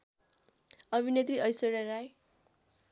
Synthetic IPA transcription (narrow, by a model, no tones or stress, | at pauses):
ʌbʱinet̪riʔʌjsoɾaɾaj